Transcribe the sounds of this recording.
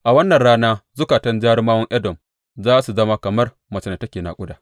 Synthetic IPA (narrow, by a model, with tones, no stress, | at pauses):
ʔa˨wɐ˦nːɐ˨nɽaː˦naː˦zʊ˦kaː˨tɐ˦nd͡ʒaː˦ɽmaː˦wɐ˦ŋʔɐ˦dɔ˨m | zaː˦su˨zɐ˦ma˦kɐ˨mɐ˦r | mɐ˨t͡ʃɪ˦na˨tɐ˦kʲeː˨na̰ː˨kʷʼʊ˦daː˨